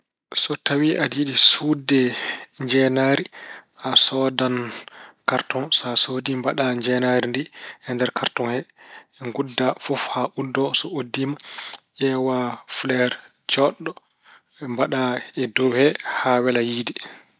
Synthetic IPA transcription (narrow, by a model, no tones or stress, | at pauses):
sɔtawiʔadiɗisudɛɲd͡ʒɛnaɾiʔasɔdankaɾtɔnsasodimbaɗaɲd͡ʒɛnaɾindihɛndɛɾkʰaɾtɔnhɛŋɡudːafɔfhaʔudɔsɔodːimaʔɛwaflɛɾ | d͡ʒɔɗːɔ | mbaɗaɛdowhɛhawɛlajiːdi